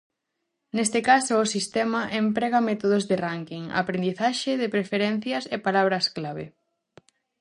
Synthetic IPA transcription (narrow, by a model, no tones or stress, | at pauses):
nest̪ekasoːsist̪ɛmɐʔempɾɛɣɐmɛt̪oðozðeraŋkiŋa̰pɾend̪iθaʃeðepɾefeɾɛn̟θjɐsepalaβ̞ɾɐsklaβ̞ḛ